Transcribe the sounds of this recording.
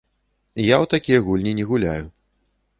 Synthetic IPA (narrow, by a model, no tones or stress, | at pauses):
jawt̪akʲijɐɣulʲnʲinʲɛɣulʲa̰ju